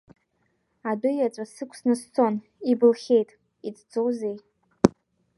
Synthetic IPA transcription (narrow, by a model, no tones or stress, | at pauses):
adʊjat͡sʷʼasɨkʷʰsnɨst͡sʰo̞n | ibɨlχʲe̞jtʼ | it͡sʰʼd͡zowzej